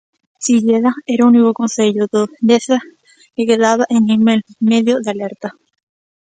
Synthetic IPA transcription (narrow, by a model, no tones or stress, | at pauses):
t͡ʃiʎeðaeɾunikokonseʎoðod̪eθa | kekeðaβaʔeŋememeðjoðealeɾt̪a